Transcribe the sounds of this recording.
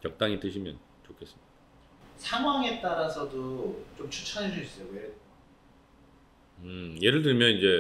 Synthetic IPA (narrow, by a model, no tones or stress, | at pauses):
jʌk̚t͈aŋitɯɕʰimjʌn | t͡ɕokʰe̞s͈ɯ̥mɲi̥da | sʰaŋɦwaŋe̞t͈aɾasʰʌdot͡ɕomt͡ɕʰut͡ɕʰʌnɦed͡ʑuis͈ʌjowe | ɯje̞ɾɯɭt̬ɯɭmjʌnind͡ʑe̞